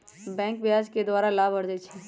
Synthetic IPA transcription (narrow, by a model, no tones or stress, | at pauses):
bɛ̃ːŋkbɪjaːd͡ʒked̪waːɾalaːbʱɐɽd̪et͡ʃʰɛ